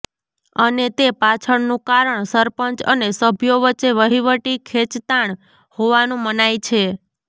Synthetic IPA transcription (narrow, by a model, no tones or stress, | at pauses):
ənet̪epat͡ʃʰəɳnũkaɾəɳsəɾpəɲt͡ʃənesəbʱjoʋəːt͡ʃːeʋəɦiʋəʈikʰet͡ʃt̪aɳ | hoʋanũmənajt͡ʃʰe